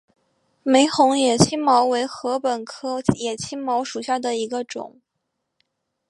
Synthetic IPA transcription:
me˧˥ɪxʊ˧˥ŋjɛ˨˩t͡ɕʰi˥nmɑ˧˥ʊwe˧˥ɪxɤ˧˥pə˨˩nkʰɤ˥jɛ˨˩t͡ɕʰi˥nmɑ˧˥ʊʂu˨˩ɕja˥˩d̪ə˩i˧˥ɡə˧ʈ͡ʂʊ̰˨˩˦ŋ

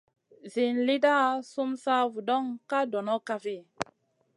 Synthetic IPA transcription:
zi˨nli˦da˦˨su˦msa˦vu˨dɔ˦ŋka˦dɔ˨nɔ˦ka˦fi˦˨

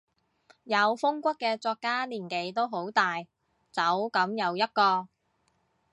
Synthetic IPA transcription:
jɐ˨˧wfʊ˥ŋkʷɐ˥kːɛː˧t͡sɔː˧kːaː˥liː˨˩nke˨˥jt̪o˥wɦo˨˥wt̪aː˨j | t͡sɐ˨˥wkɐ˨˥mjɐ˨˧wjɐ˥t̚kɔː˧

